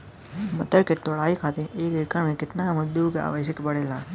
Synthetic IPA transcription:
mət̪əɾket̪oɭaːikʰaːt̪eneːkʋɪkəɳmẽkɪt̪naməd̪uɾkea̰ːʋəʃəkbəɽeːlaː

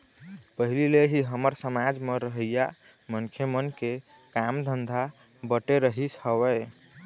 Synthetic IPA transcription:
pəɦilileɦiɦəməɾsəmad͡ʒmeɾəɦəja | mənkʰjemənke | kamd̪ʱənd̪ʱa | bəʈeɾəɦishəβə

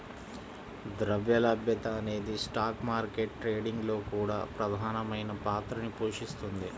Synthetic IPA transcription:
d̪ɾɐʋjɐlɐbjɐt̪ɐːne̞ːd̪isʈaːkmaːɾkeʈʈɾe̞ːɖiŋɡlo̞ːkuːɽaːpɾɐd̪ʱaːnɐmɐjnɐpaːt̪ɾɐnipoːʂist̪und̪i

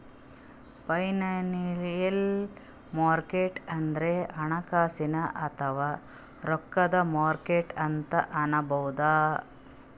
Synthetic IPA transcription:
pɐjnɐniɾijɐl | maːɾkeːʈɐnd̪ɐɾeʔɐɳɐkaːsinɐʔɐt̪ʰɐʋaː | ɾɔkːɐd̪ɐmaːɾkeːʈɐnt̪ɐʔɐnɐbɐwd̪aː

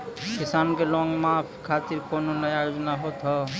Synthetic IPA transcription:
kisankelɔŋɡmapʰkʰat̪iɾkononəjajod͡ʒnaɦot̪ɦʌ

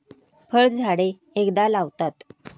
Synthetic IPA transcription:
fəɭd͡zʱaɽe | ekd̪alaʋt̪at̪

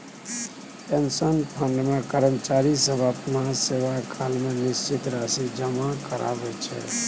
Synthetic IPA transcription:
ensənpʰənɖmẽkəɾəmt͡ʃaɾisəbʱapənaseʋakʰalmẽnɪst͡ʃɪt̪ɾasid͡ʒəmakəɾa̰bɛt͡ʃʰɛ̰

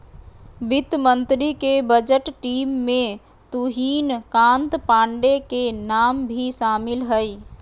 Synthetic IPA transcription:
bɪt̪mə̃nt̪ɾikebəd͡ʒəʈʈiːmːẽ | t̪uɦiːnkãːnt̪pãːɳɖekenaːmbʱiʃaːmɪlɦəi

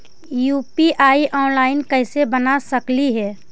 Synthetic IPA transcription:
juːpiʔaːiʔɔːnlaːɪnkəɪsebənasəkliɦɛː

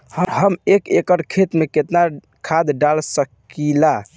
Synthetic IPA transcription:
hɦəmekekəɾkʰet̪meket̪na | kʰad̪ɖalsəkila

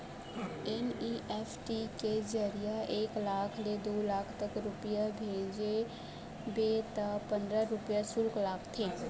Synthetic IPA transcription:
ɛniʔɛːpʰʈiked͡ʒəɾijaʔeːklaːkʰled̪oːlaːkʰt̪əkɾʊpijabʱeːd͡ʒe | beːt̪apə̃nd̪ɾaɾʊpijasʊlklaːkʰt̪ʰeː

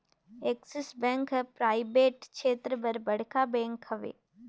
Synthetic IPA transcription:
eːksɪsbɛ̃ːŋkɦɛpɾaːɪbeːʈʃeːt̪ɾəbɐɾbɐɽ̤kabɛ̃ːŋkhɐʋḛː

